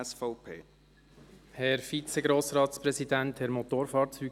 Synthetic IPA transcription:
sfɔʊpʰeː | hɛɾfit͡sɛɡɾoːsɾɑːt̪spɾɛsid̪ænt̪hɛɾmot̪oːɾfɑːɾt͡syː

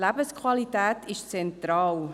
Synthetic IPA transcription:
læbəskχvwɑlit̪æːt̪ʰɪʃt͡sɛnt̪ɾɑːl

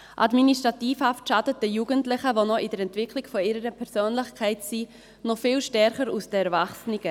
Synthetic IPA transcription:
ʔa̰dminiʃtʁɑtiːfhaftʃadət̚əjuɡəntlɪχəvonɔʔɪdəɾɛntvɪkʰlɪɡ̥fɔɪɾəɾəpʰɛɾsøːnlɪχkʰɛɪtsi | nɔfɪlʃtɛɾχəɾusd̥əɛɾvaχsnɪɡ̥ə

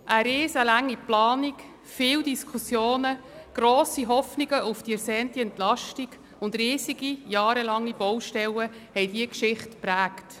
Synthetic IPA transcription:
ʔæɾɪːsəlæŋːiplɑːnik | fɪːwdiskʰusjoːnə | ɡ̥ɾoːsiɦɔfniɡəʔʊfd̥iɛɾsɛːntiɛntlɑʃtiɡ | ʊndɾiːsiɡ̥ijɑːɾəlɑŋːib̥ɔwʃtɛləhɛjdiəkʃɪχtpɾæːkt

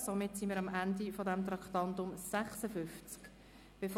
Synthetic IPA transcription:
somɪtsimiːɾɑmʔændifodɛmt̪ɾɑktɑntʊmsæχsəfʏnft͡sk | b̥ef

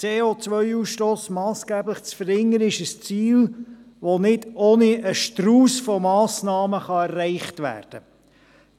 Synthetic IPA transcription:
t͡seːot͡sʋœʏuːsʃtoːsmɑːsɡ̥æːbləχt͡sfəɾɪŋːəɾɪʃəst͡siːl | ʋonɪdoːniəʃtruːsfɔmɑːsnɑːməχɑɛrːæɪχtʋæ̰ːrd̥ə

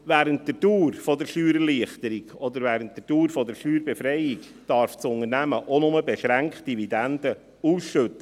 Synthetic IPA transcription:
væːɾənt̚d̥əduːɾfɔdəɾʃyːɾəliəχtəɾiɡɔd̪əɾʋæːɾənt̚d̥əɾd̥uːɾfɔdəɾʃyːɾbɛfɾɛɪjik | d̥ɑɾft͡sʊŋəɾnæməʔonʊməbɛʃɾæŋktdividɛnd̥̪ə | uːsʃɵtːə

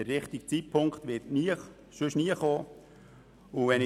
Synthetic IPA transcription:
əɾːɪχt̪ɪkt͡sitpʰʊŋkχtʋɪrtniə | ʃɵʃniːəχoː | ʊʋɛn

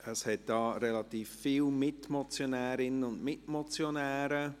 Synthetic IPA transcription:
əshɛt̚d̥ɑːɾɛlɑtiːfːiːlmɪtmot͡sjonɛːɾɪnənʊndmɪtmot͡sjonɛːɾə

